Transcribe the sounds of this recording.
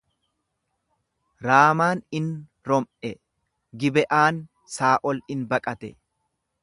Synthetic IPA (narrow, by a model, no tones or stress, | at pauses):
ɾaːmaːnɪn | ɾɔmʔɛ | ɡɪbɛʔaːn | saːʔɔlɪnbɐkʼɐt̪ɛ